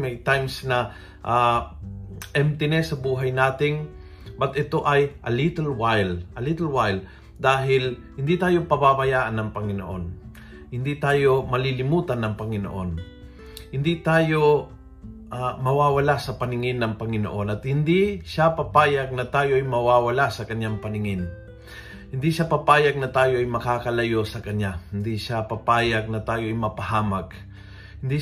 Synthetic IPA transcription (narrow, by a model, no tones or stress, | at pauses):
mɛjt̪ajmsnɐ | ʔa | ʔɛmt̪ɪnɛsɐbuːɦɐjnaːt̪ɪŋ | bɐt̪ʔɛt̪o̞ʔɐjʔɐlit̪ɛlwajlʔɐlɪt̪ɛlwajl | d̪aːɦɪlhɪnd̪it̪aːjo̞pɐbabajaːʔɐnːɐŋpɐŋɪno̰ʔo̞n | hɪnd̪it̪aːjo̞mɐlilɪmuːt̪ɐnɐŋpɐŋɪno̰ʔo̞n | hɪnd̪it̪aːjo̞ | ʔamɐwaːwɐlasɐpɐnɪŋɪnːɐŋpɐŋɪno̞̰ʔo̞nɐt̪hɪnd̪iʃapɐpaːjɐɡ̚nɐt̪aːjo̞ʔɐjmɐwaːwɐlasɐkɐɲjaŋpɐnɪŋɪn | hɪnd̪iʃapɐpaːjɐɡ̚nɐt̪aːjo̞ʔɐjmɐkaːkɐlɐjo̞sɐkɐɲahɪnd̪iʃapɐpaːjaɡ̚nɐt̪aːjo̞ʔɐjmɐpɐhaːmaɡ | hɪnd̪i